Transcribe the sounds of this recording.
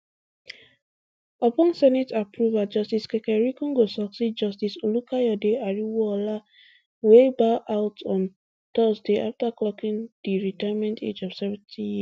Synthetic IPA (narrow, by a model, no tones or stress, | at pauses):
ɔpɔ̃nsɛnitapɹuvad͡ʒɔstiskɛkɛɹikũŋɡosɔksid̚d͡ʒɔstisolukʰajɔdeaɹiwɔla | webaʔaʊtʰɔ̃n | t̪ɔsdeʔaftaklɔkĩŋdiɹitajmɛ̃ntʰḛd͡ʒɔv̥sɛvɛ̃ntʰĩji